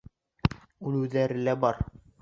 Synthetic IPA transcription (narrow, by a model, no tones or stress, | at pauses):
uluðæɾɘlæbɑɾ